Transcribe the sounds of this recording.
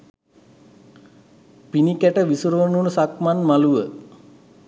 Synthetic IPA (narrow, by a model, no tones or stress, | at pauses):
pinikæʈəʋisuɾʋənunsakmanmaluʋə